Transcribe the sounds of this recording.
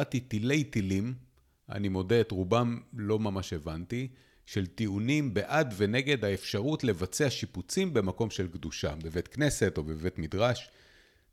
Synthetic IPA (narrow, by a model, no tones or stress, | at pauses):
t̪it̪ile̞jtilim | ʔa̰nimo̞deːtʁubamlo̞mamaʃe̞vanti | ʃe̞lt̪iunimbe̞ʔadve̞ne̞ɡe̞d̪aefʃaʁutle̞vat͡seaʃiput͡simbe̞mako̞mʃe̞lkd̪uʃa̰bevet̪kne̞se̞t̪o̞beve̞tmidʁaʃ